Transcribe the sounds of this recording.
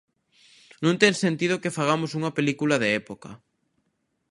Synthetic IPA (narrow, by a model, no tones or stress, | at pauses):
nũnt̪ensent̪iðokefaɣ̞amosuŋɐpelikulaðeɛpoka̰